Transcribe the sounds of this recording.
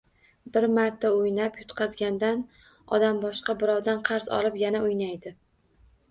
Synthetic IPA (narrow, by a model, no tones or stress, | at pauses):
bɪɾmaɾt̪ʰːaʊjnapjʊt̪qʰɑzɡʲand̪an | ɒ̰d̪ambɒʃqɑbɪɾɒwd̪anqʰɑɾz̥ɒ̰lˠɪpjanaʊjnajd̪ɪ